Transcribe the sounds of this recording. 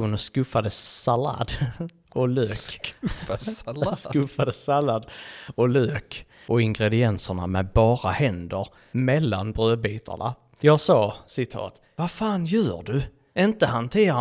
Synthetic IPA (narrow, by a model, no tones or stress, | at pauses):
uːnəskɵfːad̪əsala̰ːd̪ | ɔløːk | skɵfad̪əsalad̪ɔløːk | ʔɔɪŋɡɾɛd̪ɪɛnsəɳa̰mɛbɑːɾahɛnd̪əɾ | mɛlːanbɾøːbiːt̪ʰa̰ɳa̰ | jɑːɡsɑːsɪt̪ʰɑ̰ːt̪ | vafaːnjœːɖɵ | ɪnt̪əɦant̪ʰeːɾa